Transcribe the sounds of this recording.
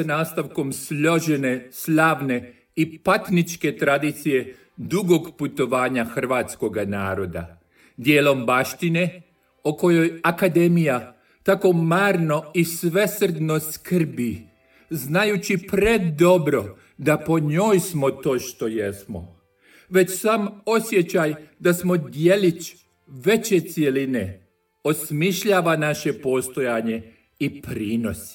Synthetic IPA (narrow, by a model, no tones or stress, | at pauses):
naːst̪aʋko̞msʎo̞ʒene̞sʎaːʋne̞ | ipat̪nit͡ʃke̞t̪ɾad̪it̪sije̞ | d̪uɡo̞ɡput̪o̞ʋaːɲaxr̩ʋaːt̪sko̞ɡanaːɾo̞d̪a̰ | d̪jeːlo̞mbaʃt̪ine̞ | oko̞jo̞jakad̪e̞mija | t̪ako̞maːɾno̞isʋe̞sr̩d̪no̞skr̩bi | znajut͡ɕipɾe̞d̪o̞bɾo̞ | d̪apo̞ɲo̞ːjsmot̪o̞ːʃt̪o̞jesmo̰ | ʋe̞t͡ɕsaːmo̞sje̞t͡ɕajd̪asmo̞d̪je̞lit͡ʃ | ʋe̞t͡ɕe̞t̪sje̞line | o̞smiʃʎaːʋanaʃe̞po̞st̪o̞jaɲe̞ | ipɾiːno̞si̥